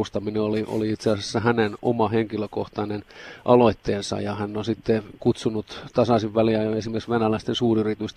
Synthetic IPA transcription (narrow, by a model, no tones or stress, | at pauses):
ust̪ɑmineoliʔo̰liit̪seɑsesːæhæneno̰mɑheŋkiløkoht̪ɑnenʔɑloit̪ːeːnsɑ̰jɑhænːonsit̪ːekut̪sunut̪t̪ɑsɑsiʋʋæliæesimerksʋenælæist̪ensuːryrit̪yst̪